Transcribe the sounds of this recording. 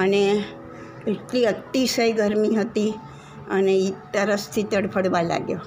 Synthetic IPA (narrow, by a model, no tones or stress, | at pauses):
əne | eʈliət̪ːisəjɡəɾmiɦət̪i | əneit̪əɾəst̪ʰit̪əɽpʰəɽʋãla̰ɡjo